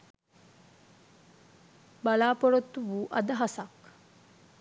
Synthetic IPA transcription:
bɐlaːpoɾot̪ːuʋuːʔɐd̪ɐɦasak

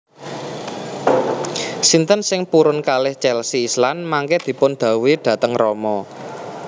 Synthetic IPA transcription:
sint̪ənsɪŋpuɾʊnkalɪht͡ʃɛlsiːslanmaŋkɛd̪̥i̤pʊnd̪̥ä̤wiɖ̪̥ä̤t̪əŋrɔmɔ

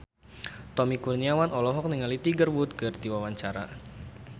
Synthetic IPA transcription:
t̪ɔmikurniawanɔlɔɦɔk̚niŋalit̪iɡərwut̪̚kɨrd̪iwawaɲt͡ʃaɾa̰

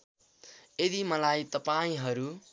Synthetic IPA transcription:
jed̪imʌlajt̪ʌpaĩɦʌɾu

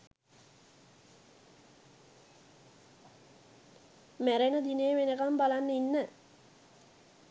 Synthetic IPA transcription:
mæɾenəd̪inejːʋenəkambalanːəinːə

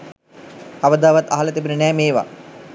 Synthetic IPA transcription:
aʋəd̪aːʋat̪ːa̰ɦalət̪ebənənɛːmeːʋa̰

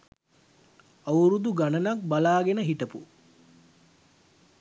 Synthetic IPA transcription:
auɾud̪uɡanənak̚balaːɡenəɦiʈəpṵ

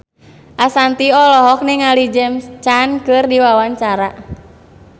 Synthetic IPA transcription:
ʔasant̪iɔlɔɦɔk̚niŋalid͡ʒɛmst͡ʃankɨrdiwawaɲt͡ʃaɾa

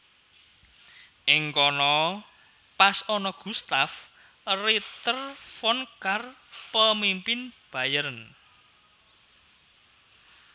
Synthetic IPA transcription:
ʔɪŋkɔnɔ | pasɔnɔɡ̥ṳst̪af | rit̪ərfɔnkar | pəmimpɪnb̥a̤jəɾən

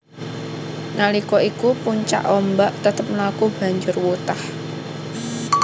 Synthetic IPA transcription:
nalikɔikupuɲt͡ʃa̰ʔɔmbaʔt̪ət̪əp̚lakub̥a̤ɲd͡ʒʊrwut̪ah

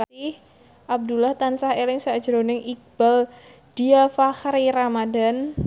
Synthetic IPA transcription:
aih | ʔab̚d̪ulaht̪ansahelɪŋsḁd͡ʒəɾonɪŋʔik̚b̥al | d̥iafaxɾiɾamadan

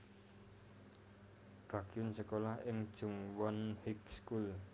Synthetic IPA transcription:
b̥ä̤ɡ̥iʊnsəkolahɪŋd̥ʒ̥ṳŋwɔnhikskul

